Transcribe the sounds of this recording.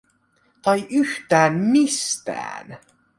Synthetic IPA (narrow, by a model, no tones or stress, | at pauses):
t̪ɑjʔyht̪æːnmist̪æ̰ːn